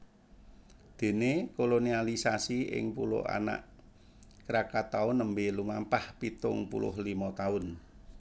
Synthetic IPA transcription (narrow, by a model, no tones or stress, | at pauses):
d̪̥e̤nekolonialisasiɪ̰ŋpulʊ̰ʔa̰na̰ʔ | kəɾakat̪aʊnːəmbelumampahpit̪ʊ̰ŋpṵlʊ̰ɦlimɔt̪aʊn